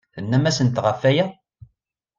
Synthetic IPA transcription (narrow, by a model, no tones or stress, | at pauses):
θənːæmæsənt̪ʁəfːæjæ